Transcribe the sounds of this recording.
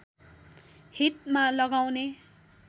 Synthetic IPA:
hit̪̚malʌɡawne

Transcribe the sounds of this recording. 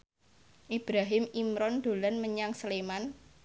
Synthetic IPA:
ʔib̥ɾaɦɪmimɾɔnd̪̥o̤lanməɲaŋsəleman

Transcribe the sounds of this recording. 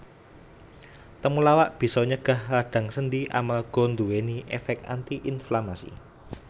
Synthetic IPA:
t̪əmulawaʔb̥i̤sɔɲəɡ̥a̤hlaɖ̥ä̤ŋsəndiʔa̰malɡ̥ɔ̤nd̪uweniʔɛfɛk̚t̪a̰nt̪iʔinflamasḭ

